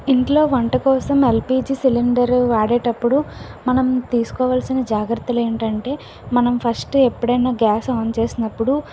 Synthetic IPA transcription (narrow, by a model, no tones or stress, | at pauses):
iɳʈlo̞ːʋɐɳʈɐkɔːsɐmelpiːd͡ʒisiliɳɖɐɾʋaːɽeːʈɐpːuɽumɐnɐmt̪iːsu̥kɔːʋaːlsinɐd͡ʒaːɡɾɐt̪ːule̞ːɳʈɐɳʈe̞ː | mɐnɐmpʰɐsʈepːuɽɐjnaːɡaːsaːnt͡ʃe̞ːsinɐpːuɽu